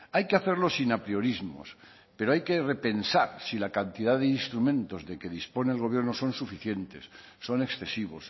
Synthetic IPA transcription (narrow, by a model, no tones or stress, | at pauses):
ajke̞aθe̞ɾlo̞sinapɾio̞ɾizmo̞̰s | pe̞ɾo̞ajke̞re̞pe̞nsaɾsilakant̪ið̞aðeinst̪ɾumẽnt̪o̞zðe̞ke̞ðispo̞neːlɣ̞o̞β̞jeɾno̞so̞nsufiθje̞nt̪e̞sː | o̞ne̞ksθe̞siβ̞o̞̰s